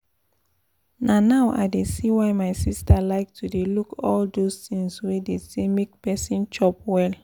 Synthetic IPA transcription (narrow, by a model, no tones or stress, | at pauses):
nãnaʊʔa̰ɪdesiwaɪmaɪsistʰalaɪk̚tʰudelukɔldostĩŋswedestemek̚pɛsĩnt͡ʃɔp̚wɛl